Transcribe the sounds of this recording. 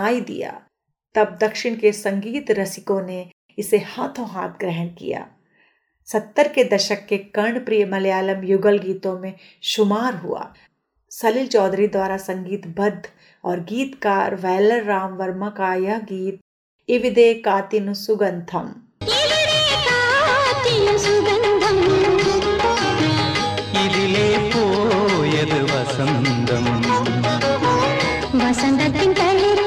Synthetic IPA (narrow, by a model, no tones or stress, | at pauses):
aːid̪ḭja̰ː | t̪ɐb̚d̪ɐkʃɪɽ̃kesɐ̃ŋɡiːt̪ɾɐsɪkõne | ɪsehaːt̪ʰõɦa̰ːt̪̚ʰɡɾɛɦənkḭja̰ː | sɐt̪ːəɾked̪ɐʃəkːekɐɳpɾijəmɐljaːləmjʊɡəlɡiːt̪õmẽ | ʃʊmaːɾɦṵa̰ː | sɐlɪlt͡ʃɔːd̪ɾid̪waːɾasɐ̃ŋɡiːt̪bɐd̪ʱː | ɔːɾɡiːt̪kaːɾʋɛːləɾːaːmʋɐɾmakaːjɐɦɡiːt̪̚ | ɪʋɪd̪eːkaːt̪inusʊɡɐ̃nt̪ʰɐm | iʋid̪eːkaːt̪inusʊɡɐnt̪ʰɐm | idileːpoːjed̪ʋɐsɐnd̪ʱɐm | ʋɐsɐ̃nd̪ɐt̪ĩpɛli